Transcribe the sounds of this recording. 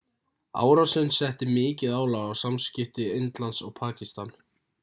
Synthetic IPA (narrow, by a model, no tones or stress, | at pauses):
a̰ːwɾawsɪnsɛht̪ɪmɪːcɪðaːwlaɣawsamscɪft̪ɪɪnt̪lant̪sɔɣpʰaːcist̪an